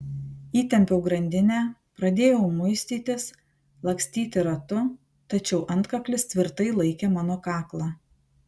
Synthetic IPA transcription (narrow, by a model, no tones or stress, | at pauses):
iːt̪ʲɛmʲpʲɛʊɡɾɐnʲd̪ʲɪnʲæːpɾɐd̪ʲeːjɛʊmʊɪsʲt̪ʲiːt̪ʲɪs | lˠɐksʲt̪ʲiːt̪ʲɪɾɐt̪ʊ | t̪ɐt͡ʃʲɛʊʔɐnt̪kɐklʲɪst̪ʲʋʲɪɾt̪ɐɪlˠɐɪkʲeːmɑːnoːkɑːklˠɑː